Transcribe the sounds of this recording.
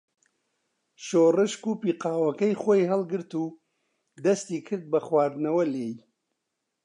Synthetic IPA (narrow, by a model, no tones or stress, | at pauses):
ʃoːrɨʃkuːpiːqɑːwɐkɐjxoːjɦɐlˠɡɨɾt̪uː | d̪ɐst̪iːkʰɨɾd̪̚bɐxwaːɾd̪nɐwɐleːj